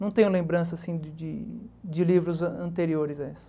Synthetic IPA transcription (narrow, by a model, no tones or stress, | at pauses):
nɐ̃w̃t̪ẽɲ̃ʊlẽmbɾɐ̃s̬ɐsĩdɪd͡ʒɪd͡ʒɪlivɾʊzɐɐ̃nt̪eɾioɾɪzɐesʊ̥